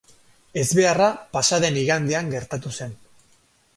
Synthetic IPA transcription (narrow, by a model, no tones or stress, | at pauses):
e̞zβe̞arapasaðe̞niɣand̪eaŋɡe̞ɾt̪at̪use̞n